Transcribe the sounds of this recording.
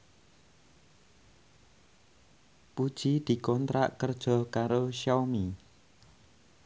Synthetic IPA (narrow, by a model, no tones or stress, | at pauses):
pud̥ʒ̥id̪̥i̤kɔnt̪ɾa̰ʔkərd̥ʒ̥ɔ̤kaɾoʃɔmi